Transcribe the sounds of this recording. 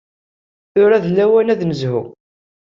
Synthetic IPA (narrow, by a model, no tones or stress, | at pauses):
θʊɾæðlːæwænæðnəzhṵ